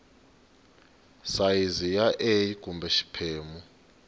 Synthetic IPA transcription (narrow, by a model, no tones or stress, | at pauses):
sajizijaʔejiɡ̥ʱʼumbʱɛʃi̥pʰeːmu